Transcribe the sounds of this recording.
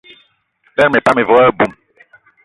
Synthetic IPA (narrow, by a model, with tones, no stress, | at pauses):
bɛ˦ɾme˨pa˦me˨vɔ˦ɛ˦bu˦˨m